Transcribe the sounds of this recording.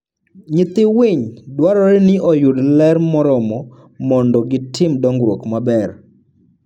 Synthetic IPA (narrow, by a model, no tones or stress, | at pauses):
ɲɪt̪ɪwɪɲdwaɾɔɾɪnɪʔɔjudlɛrmɔɾɔmɔ | mɔndɔɡɪtʰɪmdɔŋɡɾwokmabɛr